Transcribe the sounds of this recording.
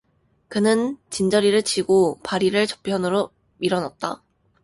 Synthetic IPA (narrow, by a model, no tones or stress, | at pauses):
kɯnɯnt͡ɕind͡ʑʌɾiɾɯɭt͡ɕiɡopaɾiɾɯɭt͡ɕʌ̥pʰjʌnɯɾo | iɾʌnat̚t͈a̰